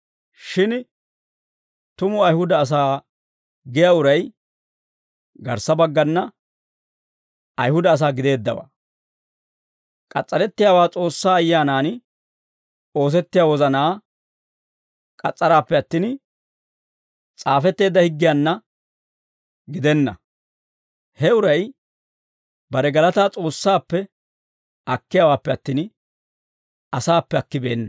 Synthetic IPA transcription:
ʃɪn | t̪ʊmʊɐjhʊd̪ɐːs̬aː | ɡɪjaːʊɾɐj | ɡɐ̰ɾsɐbɐɡːɐnːɐ | ɐjhʊd̪ɐːs̬aːɡɪd̪e̞ːd̪ːɐ̰wa̰ː | kʼɐ̰t͡sʼːɐɾɛt̪ːɪjaːwaːt͡sʼo̞ːsːaːɐjːaːnaːn | o̞ːs̬ɛt̪ːɪjaːwɔzɐnaː | kʼɐt͡sʼːɐɾaːpːɛɐt̪ːiːn | t͡sʼaːfɛt̪ːe̞ːd̪ːɐhɪɡːɪjaːnːɐ | ɡɪd̪ɛnːɐ̰ | hɛʊɾɐj | bɐɾɛɡɐlɐt̪aːt͡sʼo̞ːsːaːpːɛ | ɐkːɪjaːwaːpːɛɐt̪ːiːn | ɐsaːpːɛɐkːɪbe̞ːnːɐ

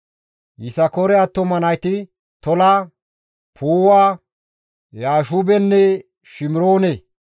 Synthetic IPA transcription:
jɪsɐkɔɾɛɐt̪ːɔmɐnɐjt̪ɪ | t̪ɔla | pʰuːwaː | jaːʃubɛnːɛ | ʃɪmɪɾoːne

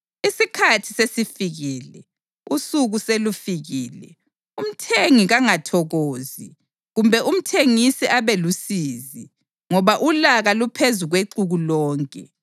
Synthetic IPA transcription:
isikʰatʰi̥sesifiɣiːlɛ̰ | usuɣuselufiɣiːlɛ | um̩tʰeŋiɣaŋatʰɔɣoːzi | ɣumbʱɛʔum̩tʰeŋisiʔaβɛlusiːzi | ŋɔβaʔulaɣalupʰezuɣweǀuɣulɔːŋkʼɛ̰

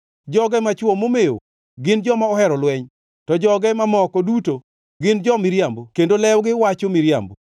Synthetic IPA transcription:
d͡ʒɔɡɛmat͡ʃwɔmomeo̰ | ɡɪnd͡ʒɔmaɔhɛɾɔlwɛɲ | tɔd͡ʒɔɡɛmamɔkɔduto | ɡɪnd͡ʒɔmɪɾjambokendolɛwɡɪwat͡ʃomiɾja̰mbo

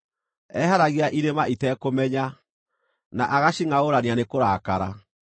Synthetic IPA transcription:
ɛɦaɾaɣiaʔiɾemaʔitɛkomɛɲa | naʔaɣaɕiŋaoɾanianekoɾakaɾa

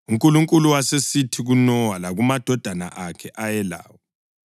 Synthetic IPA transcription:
uŋkʼuluŋkʼuluwasesitʰiɣunɔwalaɣumad̥ʱɔd̥ʱana̰ʔakʰɛʔajɛla̰ːwɔ

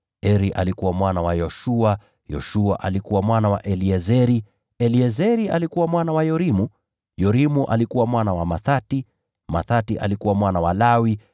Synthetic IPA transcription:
ɛɾiʔa̰likuwamwanawajɔʃua | jɔ̰ʃua̰ʔalikuwamwanawaʔɛliɛzɛɾi | ɛliɛzɛɾialikuwamwanawajɔɾimu | jɔɾimuʔa̰likuwamwanawamaθati | maθatiʔa̰likuwamwanawalawi

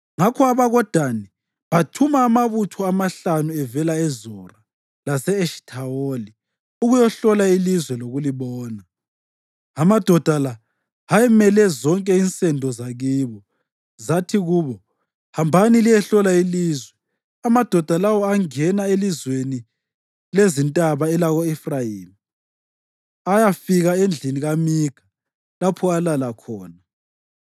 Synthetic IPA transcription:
ŋakʰɔaβaɣɔd̥ʱani | βatʰumaːmaβutʰɔamaɬanuɛvɛlaɛzɔra | lasɛːʃtʰaoli | uɣujɔɬɔlailizwɛloɣuliβɔːna | amad̥ʱɔd̥ʱala | ɦajɛmɛlɛzɔŋkʼɛint͡sʼɛndʱɔzaɣiːβɔ | zatʰiɣuβɔ | hambʱanilijɛɬɔlailiːzwɛ | amad̥ʱɔd̥ʱalawɔaŋɛnaelizweni | lezintʼaβaɛlaɣɔɛfrajiːmi | ajafiɣaend͡ɮʱiniɣamiɡ̥ʱa | lapʰɔalalakʰɔːna

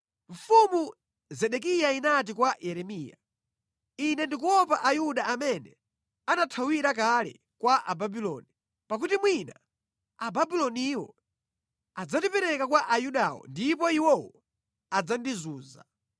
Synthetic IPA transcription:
ɱ̩fumu | zɛɗɛk̬ijainat̬ikwajɛɾɛmiːja̰ | inɛndikuwɔpaʔajuɗaamɛnɛ | anatʰawiɾak̬alɛ̰ | kwaʔa̰babilɔ̰ːni | pak̬utimwina | ababilɔniiwɔ̰ | ad͡zatipɛɾɛkakwaʔajuɗawɔ̰ndipɔiwɔwɔ | ad͡zandizuːza̰

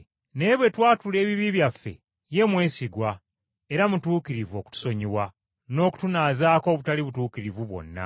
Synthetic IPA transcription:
ne̞ːβwe̞twaːtule̞ːβiβiβjafːe̞̰ | je̞mwe̞ːsiɡwa | eɾamutuːkiɾivo̞ku̥tu̥so̞ɲiβwa | no̞ːku̥tunaːzaːko̞ːβutaliβutuːkiɾivuβwo̞̰nːa̰

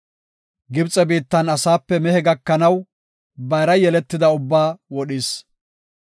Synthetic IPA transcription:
ɡɪbt͡sʼɛbiːt̪ːɐnɐsaːpːɛmɛhɛɡɐkːɐnɐw | bɐjɾɐjɛlɛt̪ːɪd̪ɐʊbːaːwɔɗɪːs

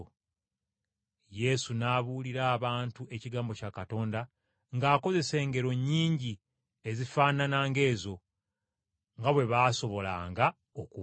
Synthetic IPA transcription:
je̞sunaβuːliɾaːβaːntuʔe̞ciɡaːmbo̞cakato̞ːnda | ŋɡaːko̞ze̞se̞ːŋɡe̞ɾo̞ɲːiːɲɟi | ezifaːnanaːŋɡe̞ːzo̞ | ŋɡaβwe̞βaːso̞βo̞la̰ːŋɡa | oku

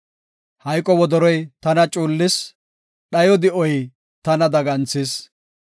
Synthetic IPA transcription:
hɐjkʼɔwɔd̪ɔɾɔjt̪ɐnɐt͡ʃʼuːlːɪs | ɗɐjɔd̪ɪʔɔj | t̪ɐnɐd̪ɐɡɐnt͡sːɪs

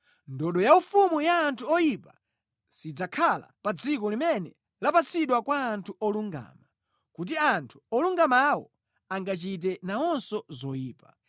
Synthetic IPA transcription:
ndɔɗɔjaufumujaːntʰuɔjipa | sid͡zakʰala̰pad͡zikɔlimɛnɛ | lapat͡sʰiɗwakwaːntʰuɔluŋɡa̰ːma | kut̬iantʰu̥ɔluŋɡamawɔ̰ | aŋɡat͡ʃit̬ɛnaɔnsɔzɔjiːpa

